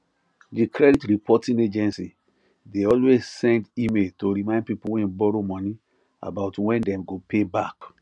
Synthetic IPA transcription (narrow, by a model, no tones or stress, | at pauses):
dikʰɹɛditɹipʰɔtĩŋed͡ʒɛ̃nsi | deɔlwezsɛ̃ndimeltoɹimãɪ̃nd̚pipuwɛ̃nbɔɾomɔ̃ni | a̰baʊtwɛ̃ndɛ̃mɡopʰebak